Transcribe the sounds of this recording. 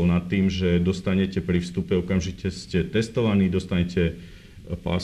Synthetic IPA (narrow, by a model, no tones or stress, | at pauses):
lnat̪ːiːmʒɛd̪ɔst̪aɲɛcɛpɾifst̪upɛɔkamʒicɛscɛt̪ɛst̪ɔʋaniːd̪ɔst̪aɲɛcɛ | pa̰